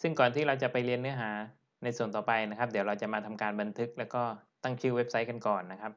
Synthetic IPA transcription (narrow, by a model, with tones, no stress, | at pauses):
sɯ˥˩ŋkɔː˨˩nt̪ʰiː˥˩ɾa˧wt͡ɕa˨˩pa˧jli˧ənːɯ˦˥ɐɦaː˩˦ | na˧jsu˨˩ənt̪ɔː˨˩pa˧jna˦˥kʰa˦˥p̚d̪i˩˦wɾa˧wt͡ɕa˨˩ʔmaː˧t̪ʰa˧mkaː˧nba˧nt̪ʰɯ˦˥k̚lɛː˦˥wkɔː˥˩t̪a˥˩ŋt͡ɕʰɯ˥˩we˦˥p̚sa˦˥jka˧nkɔː˨˩nːa˦˥kʰɾa˦˥p̚